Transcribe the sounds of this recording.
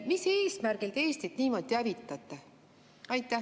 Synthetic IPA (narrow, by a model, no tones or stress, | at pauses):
mise̞ːsmærɡ̥ileeːst̪it̪niːmo̞d̪̥iævit̪ːˑɑt̪ːˑe | ɑjt̪ˑːæ